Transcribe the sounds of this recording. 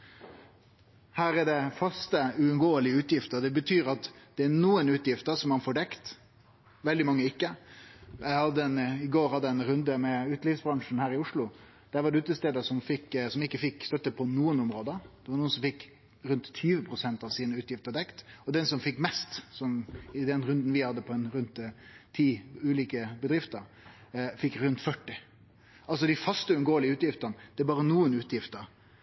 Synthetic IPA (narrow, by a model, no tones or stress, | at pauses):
hæːɾɛɖɛfɑst̪əʉʉnɡoːəlɪəʉːt̪jɪft̪əɾd̪ɛbət̪ʰyːɾɑt̪d̪̥ɛænuːənʉːt̪jɪft̪əɾʂɔmːɑnfoːɖɛkt̪ | ʋɛld̪ɪmɑŋːəɪkːə | jæɪhɑd̪ːəɛnɪɡoːɾhɑd̪ːəɛnɾʉnd̪əmɛʉːt̪liːfsbɾɑŋʂn̩hæːɾɪʊʂlʊ | d̪̥æɾʋɑɖɛʉːt̪əst̪eːd̪əʂɔmfɪkːsɔmɪkːəfɪkːst̪œt̪ːəpʰɔnuːənɔmɾoːd̪əd̪̥ɛʋɑɾɳuːənsɔmfɪkː | ɾʉnt̪ʰːyːʋəpʰɾʊsɛnt̪ɑʋsiːnəʉːt̪jɪft̪əd̪ɛkt̪ɔd̪ɛnsɔmfɪkːmɛst̪sɔmɪd̪ɛnɾʉnd̪n̩ʋɪhɑd̪ːəpʰɔɛnɾʉnt̪ʰːiːʉːliːkəbəd̪ɾɪft̪əɾ | fɪkːɾʉnt̪fœʈːɪ | ɑls̬ɔd̪ɪfɑst̪əʉnɡoːəlɪəʉːt̪jɪft̪ənəd̪̥ɛæbɑːɾənuːənʉːt̪jɪft̪əɾ